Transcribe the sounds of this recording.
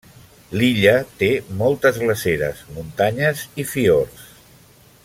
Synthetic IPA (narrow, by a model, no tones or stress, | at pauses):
liʎət̪emɔlˠt̪əzɣləseɾə̰zmunt̪aɲəzifiors